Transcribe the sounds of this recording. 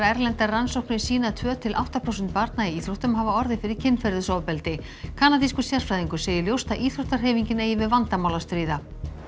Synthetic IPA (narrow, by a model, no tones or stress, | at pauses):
aɛɾlɛnt̪aransowknɪ̥siːnat̪ʰvœːt̪ʰɪlʔa̰wht̪apʰɾaowsʏnt̪paɾt̪naiiːθɾuwht̪ʏmɦaːvaɔɾðɪfɪɾɪɾ̥cʰɪnːfɛɾðʏsɔwpɛlt̪ɪ | kʰaːnat̪iskʏ̥sjar̥fɾajðiŋkʏ̥seːjɪljowst̪aʔiːθɾuwht̪aɾ̥ɦeːviɲcɪnejɪvɪðvant̪amaːwlast̪ɾiːða